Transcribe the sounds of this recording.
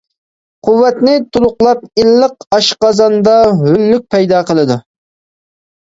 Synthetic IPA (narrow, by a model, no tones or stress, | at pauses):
qʰʊwːɛt̪nɪt̪ʰulˠʊqlˠɑp̚ilːəqɑʃqɑzɑnd̪ɑɦylːyk̚ʲpʰɛjd̪ɑːqʰəlˠɨd̪u